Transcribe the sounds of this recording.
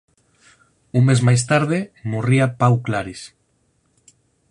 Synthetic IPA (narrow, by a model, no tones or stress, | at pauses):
uŋmezmajs̬t̪aɾð̞emoriapawklaɾis